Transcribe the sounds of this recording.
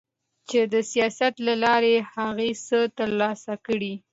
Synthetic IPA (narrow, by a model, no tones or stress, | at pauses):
t͡ʃed̪əsijɑsat̪lalɑɾehaɣesət̪əɾlɑsakəɽi